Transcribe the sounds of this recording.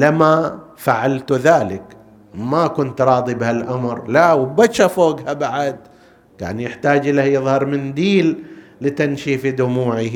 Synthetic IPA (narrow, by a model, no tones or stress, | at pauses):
lamafaʕalt̪ðaːlɪk | makʊnt̪ɾˤɑːd̪ˤibɪhalʔamɾlawbaʃafoːɡhabaʕad̪ | ɡa̰ːnjɪħt̪aːd͡ʒʔɪlːajɨðˤhɑɾˤmɪnd̪iːlː | ɪt̪anʃifid̪ʊmuːʕi